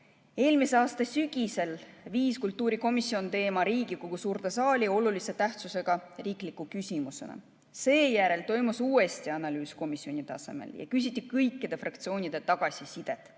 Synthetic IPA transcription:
e̞ːlmiseɑːst̪ɑsyɡ̥ʲise̞lviːskult̪ːˑuːɾiko̞misːio̞nt̪e̞ːmɑɾiːɡ̥ikoɡ̥usuːɾt̪esɑːlʲio̞lulise̞t̪æht̪suse̞ɡ̥ɑriːklikːˑukysʲimuse̞̰nɑ̰ | se̞ːjæɾe̞lt̪o̞jmusuːe̞st̪iɑnɑlyːsko̞misːio̞nit̪ɑse̞̰mḛljɑ̰kys̬ʲit̪ːˑikɤjkːˑid̪̥e̞frʔɑk̚t̪sio̞ːnʲid̪̥e̞t̪ɑɡ̥ɑsʲisid̪̥e̞t̪ˑ

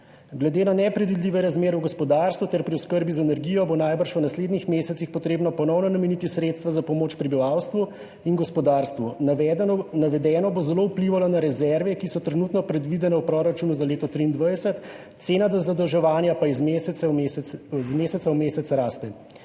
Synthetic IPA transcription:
ɡlɛd̪enanɛpɾɛd̪ʋid̪liːʋɛɾazmeːɾɛwɡɔspɔd̪aːɾst̪ʋut̪ɛɾpɾiɔskəɾbizaɛnɛɾɡiːjɔbonaːjbəɾʃʋənasleːd̪nixmeːsɛt̪sixpɔt̪ɾeːbnɔpɔnɔwnɔnamɛnit̪isɾeːt̪st̪ʋazapɔmoːt͡ʃpɾibiʋawst̪ʋu | inɡɔspɔd̪aːɾst̪ʋu | naʋɛd̪ɛːnɔbozɛlowpliʋalɔnaɾɛzɛɾʋɛkisɔt̪ɾɛnuːt̪nɔpɾɛd̪ʋid̪ɛnɛwpɾoːɾat͡ʃuːnuzaleːt̪ɔt̪ɾiːnd̪ʋajsɛt̪ | t̪seːnad̪ɔzad̪ɔwʒɛʋaːnjapaiz | zmeːsɛt̪sawmeːsɛt̪sɾaːst̪ɛ

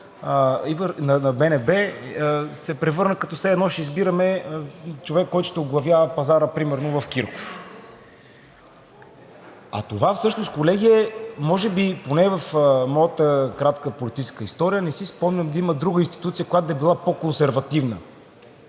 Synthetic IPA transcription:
ivəɾnɐnɐbɛnɛbɛ | sɛpɾɛvɤɾnəkɐt̪ɔsɛɛd̪nɔʃɛizbiɾəmɛ | t͡ʃovɛkːɔjt̪ʊ̥ʃt̪ɛoɡlˠɐvjavəpɐzaɾəpɾimɛɾnovɐfkiɾko̥f | ɐ̰t̪ovafsɤʃnoskolɛɡ̟iɛmɔʒɛbiponɛvɐfmɔjət̪əkɾat̪kəpolit̪it͡ʃɛskəist̪ɔɾijənɛsispɔmnʲɐmd̪ɐiməd̪ɾuɡəinst̪i̥t̪ut̪sijəkojat̪od̪ɐɛbilˠapokonsɛɾvɐt̪ivnə̰

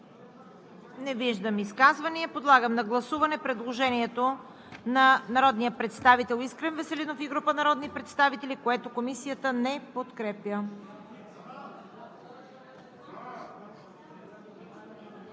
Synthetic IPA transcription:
nɛviʒd̪əmiskazvɐniɛpod̪lˠaɡəmnɐɡlˠɐsuvɐnɛpɾɛd̪lˠoʒɛniɛt̪o | nɐnɐɾɔd̪nijəpɾɛt̪st̪avit̪ɛlˠiskɾɛnvɛsɛlinofiɡɾupənɐɾɔd̪nipɾɛt̪st̪avit̪ɛlikoɛt̪okomisijət̪ənɛpot̪kɾɛpjə

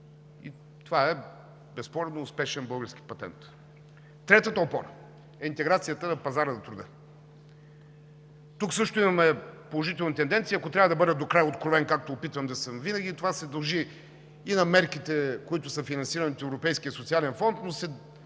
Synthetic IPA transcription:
ḭ | t̪ovaɛ | bɛspɔɾɛd̪noːspɛʃɛnbɤlˠɡəɾsk̟i̥pɐt̪ɛ̰nt̪ | t̪ɾɛt̪ət̪əopɔɾə | ɛint̪ɛɡɾat̪sijət̪ənɐpɐzaɾənɐt̪ɾud̪ə | t̪uksɤʃt̪ʊimɐmɛpolˠoʒit̪ɛlˠnit̪ɛnd̪ɛnt̪siɐkot̪ɾʲavəd̪ɐbɤd̪ɛd̪okɾajot̪kɾovɛnkak̚t̪oːpit̪vəmd̪ɐsəmvinɐɡʲiːt̪ovasɛd̪ɐlˠʒiː | nɐmɛɾkit̪ɛkoit̪ʊsəfinɐnsiɾəniot̪ɛvɾopɛjskijəsʊt̪sialɛnfɔnt̪nosɛ

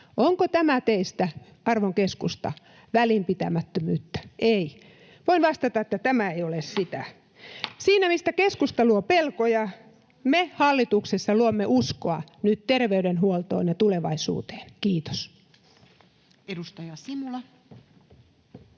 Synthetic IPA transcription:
ʔoŋkot̪æmæt̪eist̪æ | ɑrʋoŋkeskust̪ɑ̰ | ʋælimpit̪æmæt̪ːømyːt̪ːæ̥ʔei | ʋoinʋɑst̪ɑt̪ɑet̪ːæt̪æmæeiolessit̪æ̰ | siːnæmist̪ækeskust̪ɑluopelkojɑ | mehɑlːit̪uksesːɑluomːeʔuskoɑnyt̪t̪erʋeyɾenhuolt̪o̰ːnjɑt̪uleʋɑisṵːt̪e̥ːnkiːt̪o̥s | edust̪ɑjɑsimulɑ

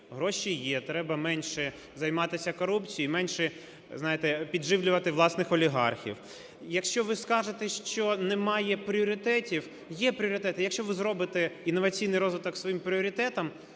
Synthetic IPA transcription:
ɦɾɔʃijɛt̪ɾɛbɐmɛnʲʃɛ | zɐjmɑt̪ɪsʲɐkɔɾupt͡sʲijiimɛnʲʃɛ | znɑjet̪ɛpʲidʒɪʋlʲʊʋɐt̪ɪʋlˠɑsnɪxɔlʲiɦɑ̰rxʲḭw | jɐkʃt͡ʃɔʋɪskɑʒet̪ɛʃt͡ʃɔnɛmɑjɛpɾʲiɔɾʲɪt̪ɛtʲiw | jɛpɾʲɪɔɾʲɪt̪ɛt̪ɪjɐkʃt͡ʃɔʋɪzɾɔbɪt̪ɛinːɔʋɐt͡sʲijnɪjɾɔzʋɪt̪ɔksʋɔjimpɾʲɪɔɾʲɪt̪ɛt̪ɐm

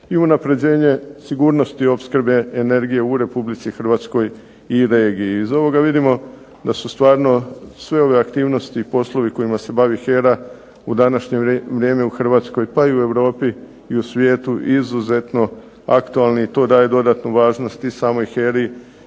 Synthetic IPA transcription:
iunapɾe̞d͡ʑe̞ːɲe̞siɡuːɾno̞st̪io̞pskɾbe̞ːne̞ɾɡije̞uɾe̞publit̪sixr̩ʋaːt̪sko̞j | iɾe̞ːɡijiːzo̞ʋo̞ɡaʋid̪imo̞ | d̪asust̪ʋaːɾno̞sʋe̞o̞ʋe̞akt̪iːʋno̞st̪ipo̞slˠo̞ʋiko̞imase̞baʋixe̞ɾa | ud̪anaʃɲe̞ʋɾje̞ːme̞uxr̩ʋaːt̪sko̞jpaiue̞ʋɾo̞ːpiː | usʋjeːt̪uʔizuze̞t̪no̞ | akt̪ualˠniit̪o̞ːd̪aːje̞d̪o̞d̪at̪nuʋaːʒno̞st̪isaːmo̞jxeɾi

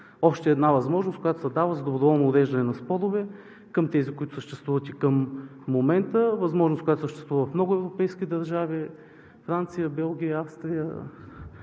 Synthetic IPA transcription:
ɔʃt̪ɛːd̪navɐzmɔʒnos̚kojat̪oʊsɐd̪avəzɐd̪obɾovɔlˠnoːɾɛʒd̪ɐnɛnɐspɔɾʊvɛ | kəmt̪ɛzikoit̪ʊ̥səʃt̪ɛst̪vuvət̪ikəmːomɛnt̪əvɐzmɔʒnst̪kojat̪osəʃt̪ɛst̪vuvəvɐfmnɔɡʊɛvɾopɛjsk̟id̪ɐɾʒavi | fɾant̪sijəbɛlˠɡ̟ʲijəafst̪ɾijə

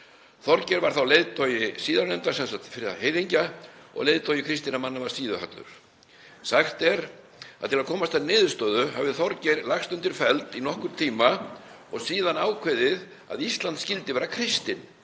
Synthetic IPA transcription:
θɔɾcɛɾvaɾ̥θawlejðt̪ʰɔjɪsiːðaɾnɛnt̪ḁsɛnsat̪fɪɾɪðaɦeːjðiɲcaɔ̰ɣlejðt̪ʰɔjɪkʰɾɪst̪inamanːavaɾ̥siːðʏha̰t̪lʏ̰ɾ̥ | saxt̪ɛɾ | aðt̪ʰɪlaðkʰɔːmast̪anɪːðʏst̪œːðʏha̰vɪðθɔɾcɛɾlaxst̪ʏnt̪ɪɾ̥fɛlt̪inɔhkʏɾ̥t̪ʰiːma | ɔɣsiːðanaːwkʰveðɪð | a̰ðist̪lant̪scɪlt̪ɪvɛːɾakʰɾɪst̪ɪn

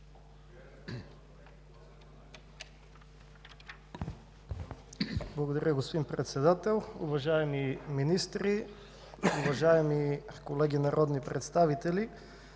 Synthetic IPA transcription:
blˠɐɡod̪ɐɾʲʔəɡospod̪inpɾɛt̪sɛd̪at̪ɛlˠṵvɐʒaɛmiminist̪ɾi | uvɐʒaɛmikolɛɡinaɾʔɔd̪nipɾɛt̪st̪avit̪ɛli

